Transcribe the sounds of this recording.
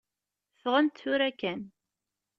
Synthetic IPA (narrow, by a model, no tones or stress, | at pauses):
fʁənt̪θʊɾækːæn